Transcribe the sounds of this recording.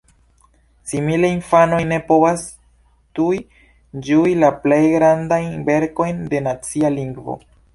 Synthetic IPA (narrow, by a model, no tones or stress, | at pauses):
simileinfanojne̞po̞vas | t̪ui | d͡ʒuilaplejɡɾandajnbe̞ɾko̞jnde̞nat͡sialiŋɡvo̰